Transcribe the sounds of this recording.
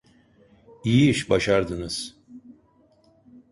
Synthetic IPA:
ijiiʃbaʃaɾd̪ɯnɯz̥

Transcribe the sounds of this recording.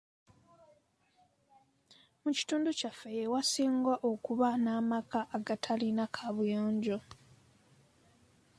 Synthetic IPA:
muci̥tuːnducafːe̞jewasiːŋɡwaʔo̞kuβanaːmakaʔːɡatʰalinakʰaβujoːɲɟo

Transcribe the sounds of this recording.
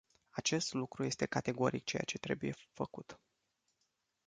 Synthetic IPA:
at͡ʃe̞st̪lukɾuje̞st̪e̞kat̪e̞ɡo̞ɾik̚t͡ʃe̞jat͡ʃe̞t̪ɾe̞buje̞fəkut̪

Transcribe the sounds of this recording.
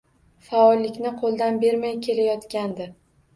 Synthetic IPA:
faɒlˠːɪkʲnɪqʰolˠd̪anbe̞ɾmajkʲʰe̞lajɒt̪kʲand̪ɪ

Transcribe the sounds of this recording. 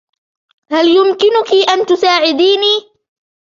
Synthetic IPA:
haljʊmkɪnʊkiʔant̪ʊsaːʕɪd̪iːniː

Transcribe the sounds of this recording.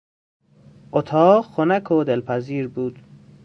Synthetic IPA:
ʔot̪ʰɑːɢxʰonækʰod̪elpʰæziːɾbuːd̪̥

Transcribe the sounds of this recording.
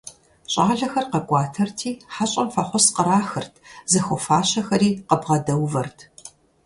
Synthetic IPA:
ɕʼaːɮɐxɐrqɐkʷʼɑːtʰɐrtʰiːħaɕʼɐmfɐχʷɔsqəɾaːxɨrtʰzɐxʷɔfaːɕɐxɐɾiːqəbʁɐdɐwvɐrtʰ

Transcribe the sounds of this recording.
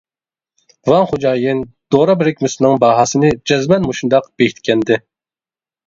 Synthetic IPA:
vɑŋχod͡ʒɑːjɪnd̪̥oɾɑbɪɾɪkʲmysnɨŋbɑːɦɑsɨnɨd͡ʒɛzmɛnmoʃund̪ɑqb̥ekʰʲit̪kʲʰɛnd̪ɪ

